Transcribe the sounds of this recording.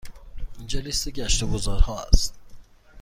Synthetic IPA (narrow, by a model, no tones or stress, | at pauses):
ind͡ʒɒlist̪eɟæʃt̪oɡozɒɾhɒːæ̰st̪